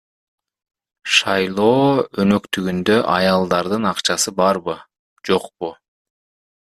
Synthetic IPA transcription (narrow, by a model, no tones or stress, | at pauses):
ʃɑjlˠo̞ːønø̞kt̪yɡynd̪øʔɑjɑlˠd̪ɑɾd̪ɯnɑqt͡ʃɑsɯbɑɾbɯ | d͡ʒo̞q̚pu